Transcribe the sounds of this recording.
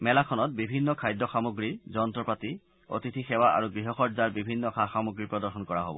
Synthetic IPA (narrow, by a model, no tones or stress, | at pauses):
mɛlakʰɔnɔt̚bibʱinːɔkʰajdːɔxamoɡɹizɔntɹɔpɹati | o̰titʰixɛwaʔa̰ɹuɡɹiɦɔxɔzaɹbibʱinːɔxaxamoɡɹipɹɔdɔɹxɔnkɔɹaɦo̰bɔ̰